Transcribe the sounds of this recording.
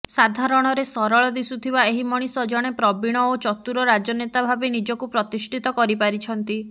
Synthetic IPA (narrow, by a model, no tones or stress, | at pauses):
sad̪ʱaɾɔɽ̃ɔɾesɔɾɔɭɔd̪isut̪ʰibaeɦimɔɽ̃isɔd͡ʒɔɽ̃epɾɔbiɽ̃ɔot͡ʃɔt̪uɾɔɾad͡ʒɔnet̪abʱabenid͡ʒɔkupɾɔt̪isʈʰit̪ɔkɔɾipaɾit͡ʃʰɔnt̪i